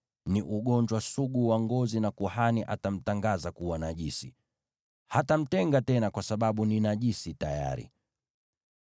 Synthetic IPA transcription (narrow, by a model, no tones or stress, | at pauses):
niʔuɠɔɲd͡ʒwasuɠuwaŋɡɔzinakuhaniʔatam̩taŋɡazakuwanaʄisi | hatam̩tɛŋɡatɛnakwasaɓaɓuninaʄisitaja̰ɾḭ